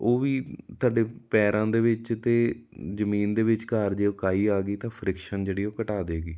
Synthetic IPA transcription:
oːʋiːt̪ʊaːɖeːpɛːɾãːd̪eːʋɪt͡ʃt̪eːzəmiːnd̪eːʋɪt͡ʃkaɾd͡ʒeːoːkaːiːaːɡiːt̪ãːpʰɾɪkʃənd͡ʒeːɽiːoːkəʈaːd̪eːɡiː

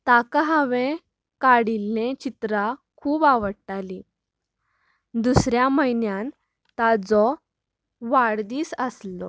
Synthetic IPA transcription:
t̪akaɦaʋẽ | kaɽilːẽt͡ɕit̪ɾakʰuːbaʋəɽʈali | d̪usɾjaməjnjan | t̪ad͡zɔ | ʋaɽd̪iːsəslɔ̰

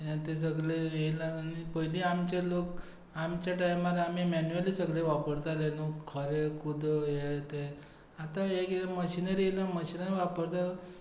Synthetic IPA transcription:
jãt̪es̬əɡɭeilanipəɦiliamt͡ɕalok | amt͡ɕjaʈajmaɾam̤imɛnualisəɡɭeʋapəɾt̪alenukʰəɾekud̪ʱəjeɭt̪e | at̪aekməɕinəɾiɦilaməɕinəɾiʋapəɾt̪al

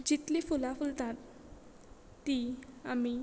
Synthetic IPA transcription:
d͡ʑit̪lifulafult̪at̪ | iami

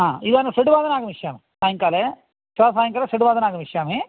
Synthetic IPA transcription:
ɦaːidaːnɐseɖuʋaːd̪ɐnaːɡɐmiʃjaːmisaːjɐŋkaːle | t͡ʃaːɾs̬aːjɐŋkaːlesɐɖuʋaːd̪ɐnaːɡɐmiʂjaːmi

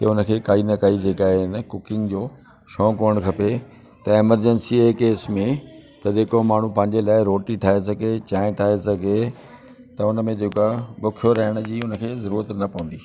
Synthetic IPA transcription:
kɐʊnə̆kʰeːkaːinɐkɐid͡ʑeːkaːɦnə̆kʊkɪ̃ŋɡd͡ʑoː | ʃɔ̃ːkoːəɽ̃kʰɐpe | t̪ɐɪməɾd͡ʑənsiekeːsmẽt̪ɐd͡ʑeːkomaːɳ̤ũpɐ̃ɦɪ̃ɲd͡ʑelaːɪɾoːʈiʈʰaːɦes̬ɐɡet͡ɕaːɪ̃ʈʰaːɦesɐɡe | t̪ɐʊnəmẽd͡ʑeːkoabʊkʰijoɾɐɦɪɽ̃ʊ̆d͡ʑiːʊnə̆kʰeːzɐɾuːɾət̪nɐpɐ̃ə̃nd̪iː

